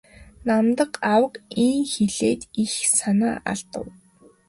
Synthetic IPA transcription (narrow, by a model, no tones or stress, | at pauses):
namt̪ə̆qawə̆qiŋxeɮeːt̪ixsanaːʔa̰ɮt̪ə̰̆w